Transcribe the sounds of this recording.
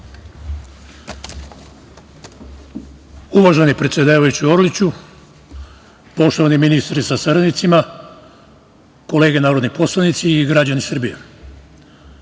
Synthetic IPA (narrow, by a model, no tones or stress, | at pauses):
uʋaʒenipɾe̞t̪sʲje̞d̪aːʋajut͡ɕio̞ɾlit͡ɕu | po̞ʃt̪o̞ʋaniminist̪ɾisasaɾanit̪sima | ko̞le̞ːɡe̞naːɾo̞d̪nipo̞slanit̪siːɡɾad͡ʑanisr̩bijḛ